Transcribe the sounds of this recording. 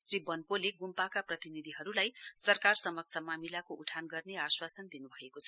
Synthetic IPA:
sribʌnpoleɡumpakaprʌt̪inid̪ʱiɦʌɾulajsʌrkarsʌmʌksʰʌmamilakoʔuʈʰanɡʌrneaswasʌnd̪inubʱʌekot͡sʰʌ

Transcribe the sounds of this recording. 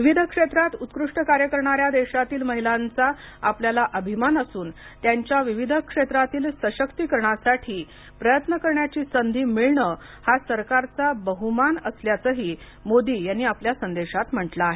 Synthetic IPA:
ʋiʋid̪ʱəkʂet̪ɾat̪ut̪kɾuʂʈəkaɾjəkəɾɳaɾjad̪eɕat̪iːlməɦilant͡sa | apljalaʔəbʱimanəsuːnt̪jaɲt͡ɕjaʋiʋid̪ʱəkʂet̪ɾat̪iːlsəɕəkt̪ikəɾɳasaʈʰiː | pɾəjət̪nəkəɾɳjat͡ɕiːsənd̪ʱiːmiɭɳə | hasəɾkaɾt͡sabəɦumanəsljat͡səɦiː | mod̪iːjanːiːapljasənd̪eɕat̪m̤əʈlaːɦe

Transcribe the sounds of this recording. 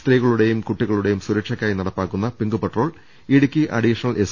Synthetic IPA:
t̪riːɣɐɭuɽe̞jumkuʈːiɣɐɭuɽe̞jumsuɾɐkʂɐkʲːaːjinɐɽɐpːaːkːunːɐpiŋɡupeʈro̞ːɭ | iɽukʲːiʔɐ̰ɽiːʂɐnɐlʔes

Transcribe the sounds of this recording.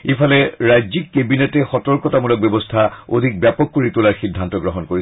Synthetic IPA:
epʰalɛɹajzikːebinetɛxɔtɔɹkɔtamulɔk̚bɛbɔstʰao̰dʱik̚bjapɔkːoɹitulaɹxidʱːantɔɡɹɔɦɔnkoɹi

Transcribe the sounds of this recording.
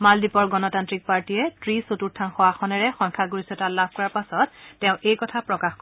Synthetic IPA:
maldipɔɹɡɔnɔtantɹik̚paɹtiɛtɹisotuɹtʰanxɔwaxɔnɛɹɛxɔŋkʰaɡuɹisɔtalab̚ʱkɔɹaɹpasɔtːɛʊ̃ʔejkɔtʰapɹɔkaxk

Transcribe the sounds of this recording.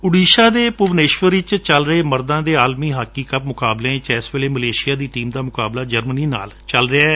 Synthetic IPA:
ʊɽiːʃaːd̪eːpʊʋneːʃʋəɾɪt͡ʃt͡ʃəlɾəeːməɾd̪ãːd̪eːaːlmiːɦaːkːiːkəp̚mʊkaːblẽːt͡ʃɛːsʋeːleːməleːʃɪjaːd̪iːʈiːmd̪aːmʊkaːblaːd͡ʒəɾməniːna̰ːl | t͡ʃəlɾɪɛː

